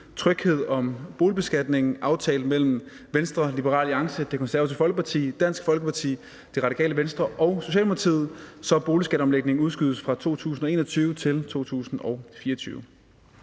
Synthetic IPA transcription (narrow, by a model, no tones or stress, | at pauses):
t͡sʰʁœɡ̥he̝ð̞̰ˠɒ̽mb̥o̝ːlib̥e̝sɡ̥æd̥ne̝ŋ̩ʔɑ̈ʊt͡sʰɛ̰ːləmel̰m̩ | ʋensd̥ʁɐlib̥əʁɑ̰̈ːliɑ̈ŋsəd̥e̝kʰɒ̽nsæɐsʰefɒ̽lɡ̥əpʰɑ̈t͡sʰḭːd̥æn̰sɡ̥fɒ̽lɡ̥əpʰɑ̈t͡sʰḭː | d̥e̝ʁɑ̈ɾikʰɛ̰ːləʋensd̥ʁɐʔɒ̽ʊso̝ɕ̬ɛ̰ːlmopʰɑ̈t͡sʰḭð̩ˠsɒ̽b̥o̝ːlisɡ̥æd̥ɾɒ̽mleɡ̥̚ne̝ŋ̩uð̞ˠsɡ̥yð̞ˠəsfʁɑ̈t͡sʰo̝̰ːt͡sʰṵːsn̩ɒ̽e̝ːnɒt͡sʰyːʊət͡sʰe̝lt͡sʰo̝̰ːt͡sʰṵːsn̩ɒ̽ʊfiːɐɒt͡sʰy̰ːʊə